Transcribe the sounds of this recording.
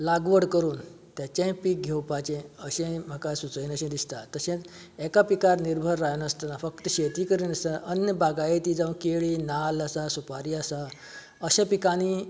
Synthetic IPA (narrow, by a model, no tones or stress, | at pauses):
laɡʋəɽkəɾuːn | t̪jat͡ɕãpiːk̚ɡʱewpat͡ɕẽəɕẽm̤akasut͡səinəɕẽd̪ist̪at̪əɕẽt͡s | ɛkapikaɾniɾbʱəɾːajnəst̪ənafəkt̪əɕet̪iːkəɾinəst̪ãʔənjəbaɡajet̪id͡zaʋkeɭiːnaləsasupaɾiːasa | əɕẽpikañi